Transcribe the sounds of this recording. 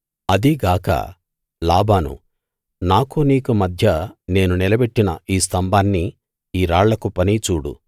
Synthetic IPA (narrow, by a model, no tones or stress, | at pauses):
ɐd̪iɡaːkɐ̰ | laːbaːnṵ | naːkuniːkumɐd̪ʱjɐne̞ːnunilɐbeʈːinɐʔiːst̪ʰɐmbaːnːi | iːɾaːɭlɐkupɐnit͡ʃuːɽṵ